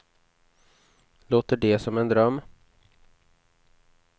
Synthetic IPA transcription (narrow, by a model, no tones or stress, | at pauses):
loːt̪əɖɛsɔmɛnd̪ɾœmː